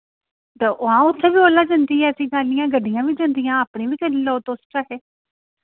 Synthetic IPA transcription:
t̪eʔʊãːʊt̪ʰːeːʋiːboːlaːd͡ʒãːnd̪iːɦɛːəsĩːd̪aːlijãːɡəɖijãːʋiːd͡ʒãːnd̪ijãːapɽĩːʋiːkənːlɔːt̪oːsʈaːkɛː

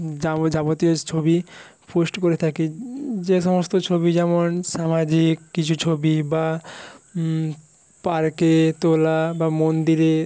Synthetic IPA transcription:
d͡ʑad͡ʑabot̪iot͡ɕʰobi | pʰosʈkoɾet̪ʰaked͡ʑeʃɔmost̪ot͡ɕʰobid͡ʑɛmonʃamad͡ʑikːit͡ɕʰut͡ɕʰobiba | paɾket̪olabamond̪iɾe

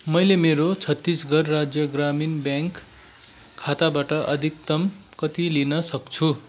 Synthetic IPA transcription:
mʌjlemeɾot͡sʰʌt̪ːisɡʱʌrːad͡zjʌɡraminbjaŋkʰː | at̪abaʈʌʔʌd̪ʱik̚t̪ʌmkʌt̪ilinʌsʌkt͡sʰu

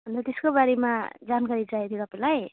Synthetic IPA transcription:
bʌnd̪at̪eskobaɾemad͡zankaɾid͡zaet̪ʰjoʌpãlaj

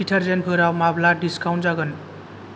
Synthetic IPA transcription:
iʈʰʌɾzenbʰʱɯɾawmablaɖiskawnzaɡʌn

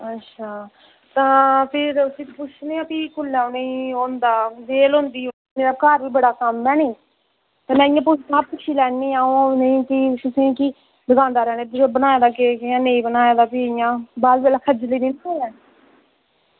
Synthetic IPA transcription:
ətːʃʰaː | t̪ãːpʰɪɾʊsĩːt̪pʊt͡ʃʰneːãːpiːkʊlãːnẽĩːɦoːnd̪aːd͡ʒeːlõːnd̪iː | meːɾaːkaɾʋiːbəɽaːkəmːɛːnĩː | t̪ãːmɛ̃ːɪjãːpʊt͡ʃapʊt͡ʃʰiːlɛːnːiːaːõnəĩːkisʊsẽːkiː | d̪əɡãːnd̪aːɾɛːneːt̪ːbənaːjaːd̪aːkeãːnẽːĩːbənaːjaːd̪aːpiːɪjãːbaːlbeːlaːkʰəd͡ʒliːniːnãoɛː

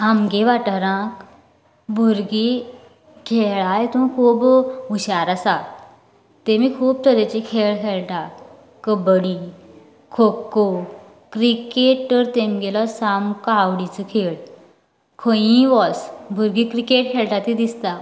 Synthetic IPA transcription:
amɡeʋaʈəɾãk | bʱuɾɡi | kʰeɭajt̪ũkʰuːbuɕaɾasa | t̪emiːkʰuːb̚t̪ʰəɾet͡ɕekʰeɭkʰeɭʈa | kəbɽi | kʰokːo | kɾikeʈt̪əɾt̪emɡelɔsamkaʋɽit͡səkʰeɭ | kʰəjĩʋɔsbʱuɾɡiːkɾikeʈ̚kʰeɭʈ̪at̪id̪ist̪a

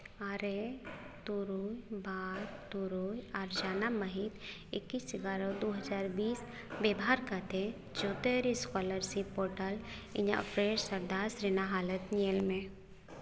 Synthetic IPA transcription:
aːɾet̪uɾuːjbaːɾt̪uɾujaɾd͡ʒaːnamɐɦit̪ | ɪkːiːsɪɡaːɾod̪oːɦəd͡ʒaːɾbiːs | beːbɦaɾkat̪ʰe | d͡ʒoːt̪eɾiskɔːləɾsipoːɾʈəlɪɲa̰fɾeːɾsɐɾd̪aːsɾenaɦaːlət̪nielmẽ

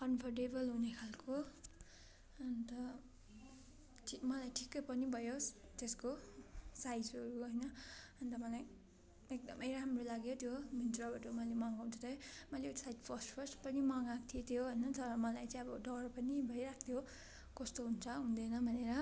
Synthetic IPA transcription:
kʌnpʰʌrʈebʌlɦunekʰalko | ʌnt̪ʌ | imʌlajʈʰi̥kːʌjpʌnibʱʌjot̪eskosajd͡zɦʌɾuɦʌjnʌʌnt̪ʌmʌlaj | ek̚d̪ʌ̰mʌjɾamrolaɡjot̪jomint̪rʌbaʈomʌlemʌŋɦũnt͡sʰʌt̪ʌjmʌlesajd͡zpʰʌsʈpʰʌrsʈpʌnimʌŋakt̪ʰiet̪ʰjoɦʌjnʌt̪ʌɾʌmʌlajt͡saĩʌbʌɖʌrpʌnibʱʌjɾakʰt̪ʰjo | kʌst̪oɦunt͡sʰʌɦũnd̪ʌnʌbʱʌneɾʌ

